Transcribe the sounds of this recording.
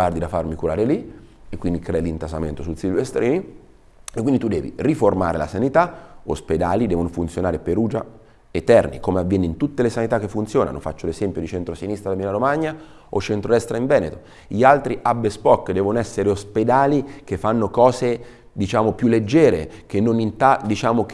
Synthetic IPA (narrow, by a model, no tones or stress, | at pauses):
ard̪id̪afarmikuɾaːɾeliekːwind̪ikɾɛilint̪asament̪osulsilvest̪ɾiːni | ekːwind̪it̪ud̪ɛːvḭriforma̰ːɾela̰sanit̪aosped̪aːlid̪ɛːvonofunt̪sjonaːɾepeɾuːd͡ʒa̰ | et̪ːɛrnḭkomeavːjɛːneint̪ut̪ːelesanit̪akːefːunt̪sjoːna̰no̰fa̰t͡ʃːolezɛmpjod̪it͡ʃent̪ɾosinist̪ɾad̪amilaɾomaɲːa | ot͡ʃːent̪ɾod̪ɛst̪ɾaiɱvɛːnet̪o | ʎialt̪ɾiʔabːespɔkːd̪ɛːvonoɛsːeɾeosped̪aːlikefːanːokɔːse | d̪it͡ʃaːmopjulːed͡ʒːɛːɾek̟enːonint̪ad̪it͡ʃaːmok